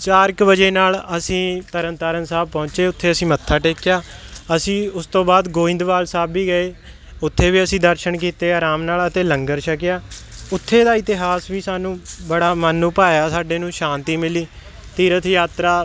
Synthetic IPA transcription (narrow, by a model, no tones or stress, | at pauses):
t͡ʃaːɾɪkbəd͡ʒeːnaːləsĩːt̪əɾənt̪aːɾənsaːb̚pɔ̃ːɲt͡ʃeːʊt̪ʰːeːəsĩːmət̪ʰːaːʈeːkɪjaːəsĩːʊst̪õːbaːd̪ɡoːɪ̃nd̪ʋaːlsaːbːiːɡəeː | ʊt̪ʰːeːʋiːəsĩːd̪əɾʃəɳkiːt̪eːaːɾaːmnaːlət̪eːləŋɡəɾʃəkɪjaːʊt̪ʰːeːd̪aːɪt̪ɪɦaːsʋiːsaːnũːbəɽaːmənːũːpaːjaːsaːɖeːnũːʃãːnt̪iːmɪliː | t̪iːɾət̪ʰjaːt̪ɾaː